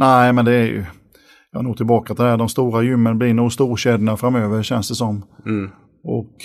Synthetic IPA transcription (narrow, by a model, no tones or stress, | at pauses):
næɪmɛnd̪ɛːɾjɵ̰ | jɑhanoːt̪ʰɪlbɑːkat̪ʰɪd̪æːɾɖ̪ɔmst̪uːɾajʏmːənblɪnuːɡst̪uːɕɛd̪əɳafɾamːøːvəɾɕɛnsd̪ɛsɔm | ɔ̰k